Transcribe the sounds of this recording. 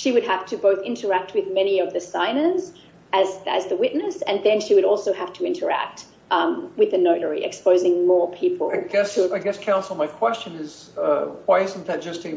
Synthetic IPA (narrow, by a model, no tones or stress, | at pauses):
ʃiwɨd̚æftʰɨboʊθɪ̃ntʰə˞æk̚t̚wɨðmɛɾniʌvðɨsãɪ̃nə˞z | ɨzɨ̰zðɨwɪʔⁿnɨsɨ̃nðɨ̃nʃiwɨɾɔlˠsoʊhæftʰɨɪ̃ntʰə˞æ̰k̚t̚ | ʔwɨðɨnoʊɾə˞ḭʔɨ̰kspoʊzɪ̃ŋmɔɹpʰipʰl̩ˠɪɡɛstʰɨaɪɡɛskʰãʊ̃nsl̩ˠmaɪkʰw̥ɛst͡ʃɨ̃nɪz̥ | waɪɨsnθɨt̚d̥ʒ̥ʌstɨ